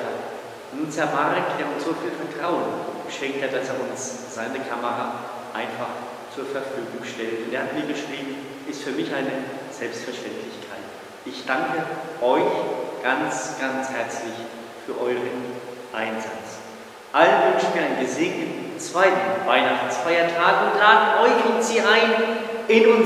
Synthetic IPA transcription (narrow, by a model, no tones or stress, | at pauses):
a | nuːnsɛɐmaʁkd̥eːɐʊnsz̥oːfiːlfɛɐtʁ̥aʊənɡ̥əʃɛŋk̚tʰhat̚d̥aseːɐʊns | z̥aɪnəkʰaməʁa | ʔaɪnfaχ | t͡suːɐfɛɐfyːɡʊŋʃtɛltʊnteːɐhatmiːɐɡəʃʁ̥iːbm̩ | ʔɪstfyːɐmɪçʔaɪnəz̥ɛlpstfɛɐʃtɛntʰlɪçkʰaɪt | ʔɪçd̥aŋkəʔɔʏçɡ̥ansɡ̥anshɛɐt͡slɪç | fyːɐʔɔʏʁən | ʔaɪnza̰t͡s | ʔalənvʏnʃn̩miːɐaɪənɡəzeːɡnətn̩t͡sv̥aɪtn̩vaɪnaχt͡sfaɪɐtʰaːɡʊntlaːdəʔɔʏçʊntz̥iːʔaɪn | ɪnʊn